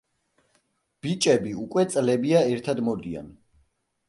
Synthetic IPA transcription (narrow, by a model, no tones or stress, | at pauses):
b̥it͡ʃʼɛbiukʼwɛt̪sʼlɛbiaɛɾt̪ʰad̪mɔd̪ia̰n